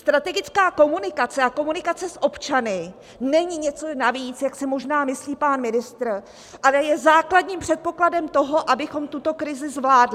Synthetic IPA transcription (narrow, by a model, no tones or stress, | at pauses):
st̪ɾat̪ɛɡɪt͡skaːko̞munɪkat͡sɛʔako̞munɪkat͡sɛsʔo̞pt͡ʃanɪ | nɛɲɪɲɛt͡so̞naviːt͡sjaksɪmo̞ʒnaːmɪsliːpaːnmɪnɪst̪r | ʔalɛjɛzaːkladɲiːmpr̥ɛt̪̚po̞kladɛmt̪o̞ɦo̞ʔabɪxo̞mt̪ut̪o̞kɾɪzɪzvlaːdlɪ